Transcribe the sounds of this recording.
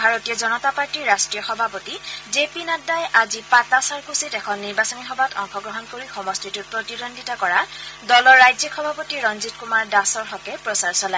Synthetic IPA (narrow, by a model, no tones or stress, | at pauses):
bʱaɹotijɔzɔnɔtapaɹtiɹɹastɹijɔxɔbʱapotizepinadajʔazipatasaɹkusitɛkʰɔnːiɹbasɔniɦɔbatʰɔŋxɔɡɹɔɦɔnkoɹixɔmɔstitut̚pɹotiɹondʱitakɔɹadɔlɔɹːajzikʰxɔbʱapotiɹɔnzit̚kumaɹdasɔɹɦɔkɛpɹɔsaɹsɔlaɛ